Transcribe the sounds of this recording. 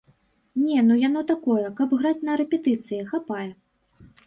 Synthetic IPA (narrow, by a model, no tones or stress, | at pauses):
nʲɛnujan̪ɔt̪akɔjɛkɐbɣɾat͡sʲnɐɾɛpʲɛt̪ɨt̪sɨjixapajɛ